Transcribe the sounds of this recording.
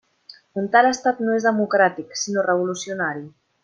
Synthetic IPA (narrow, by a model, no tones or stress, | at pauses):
unt̪aləst̪at̪noezðəmukɾat̪iksinorəβulusiunaɾi